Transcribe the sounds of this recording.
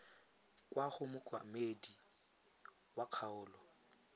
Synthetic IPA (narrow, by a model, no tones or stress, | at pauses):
kʼwaχʊmʊkʼwa̰medi | waq͡χʰaʊːlɔ